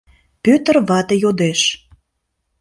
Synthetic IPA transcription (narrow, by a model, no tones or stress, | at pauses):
pøt̪ə̆rβɑt̪ə̆jod̪eʃ